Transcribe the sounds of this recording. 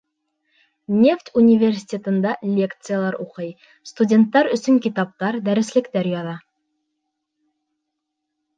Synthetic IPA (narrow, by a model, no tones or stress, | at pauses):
nʲe̞ft̪ʲunʲivʲerʲsʲi̥tʲet̪ɤ̆nd̪ɑlʲe̞kt̪sɨjalˠɑɾuqɤj | st̪udʲe̞nt̪ːɑɾɵ̆sɵŋkʲit̪ɑp̚t̪ɑɾd̪æɾɘ̆slɘ̆kt̪æɾjɑðɑ